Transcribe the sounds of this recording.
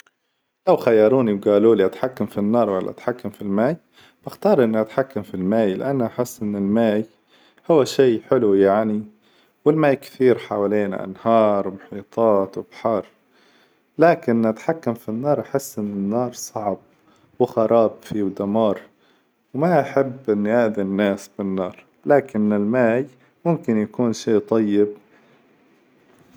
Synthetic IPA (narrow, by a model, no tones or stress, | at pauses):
lawxajːɑɾˤuːniwɡaːluːliʔat̪ħakːamfinːɑːɾˤwa̰lːʔa̰t̪ħakːamfilmaːj | b̥axt̪ɑːɾˤʔɪnːʔat̪ħakːamfilmaːjlɪ̰ʔanːʔaħɪsːʔɪnːɪlmaːj | hʊwːaʃiːħɪlujaʕni | wɪlmaːjkθiːɾħaːwaleːna̰ʔa̰nhɑːɾˤwmʊħiːt̪ˤʰɑːt̪wɪbħɑːɾˤ | laːkɪnat̪ħakːamfinːɑːɾˤʔaħɪsːʔɪnːɪnːɑːɾˤsˤɑʕb̚ | wɪxɑɾˤɑːbfiwd̪amɑːɾˤ | wmaʔaħɪbːʔɪnːʔaʔd̪inːaːsbɪnːɑːɾˤ | laːkɪnɪlmaːj | mʊmkɪnjakuːnʃiːt̪ˤɑjːɪb